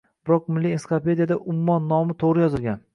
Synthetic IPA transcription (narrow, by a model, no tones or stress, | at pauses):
b̥ɪɾɒq̚mɪlːiensɪ̥kope̞d̪ijad̪aʔʊmʊmːɒnːɒmɪt̪ʰoʁɾɪjɒzɪlˠɡʲan